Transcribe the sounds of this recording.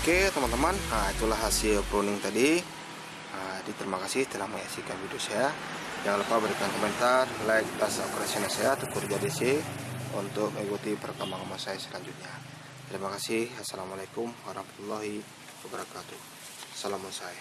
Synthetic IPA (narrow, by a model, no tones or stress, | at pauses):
oket̪əmant̪əmanait̪ulaɦasilpɾunɪŋt̪adi | ədit̪əɾimakasɪht̪əlahməŋasikanvidosaja | d͡ʒaŋləpabəɾikankomɛnt̪arlajk̚dasaukɾasionasajat̪əkurd͡ʒadisiṵnt̪ʊk̚məŋikut̪ipəɾkamaŋamasajasəlaɲd͡ʒut̪̚ɲa | t̪əɾimakasɪhasalamalakʊmwaɾɑhmat̪ulːaɦi | wabəɾakat̪uh | asalamunsaja